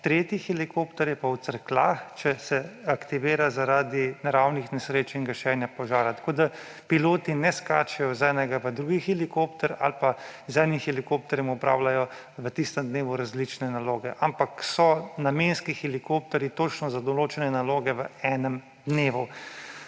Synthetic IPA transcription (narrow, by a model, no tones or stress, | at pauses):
t̪ɾeːt̪ixɛlikoːpt̪ɛɾjɛpawt̪səɾkla̰ːxt͡ʃɛsɛakt̪iʋeːɾazaɾaːd̪inaɾawnixnɛsɾeːt͡ʃiŋɡɐʃɛnjapɔʒaːɾat̪ḁkoːd̪a | piloːt̪inɛska̰ːt͡ʃɛjɔzɛnɛɡaʋəd̪ɾuɡixɛlikoːpt̪ɛɾa̰lpazɛːnixɛlikop̚t̪ɛɾjɛmɔpɾa̰ːwlajɔ | ʋət̪ist̪əmd̪neːʋuɾazlit͡ʃnɛnaloːɡɛ̰ʔampaksɔnameːnskixɛlikop̚t̪ɛɾjit̪oːt͡ʃnɔzad̪ɔloːt͡ʃɛnɛnaloːɡɛʋəɛːnəm | d̪neːʋu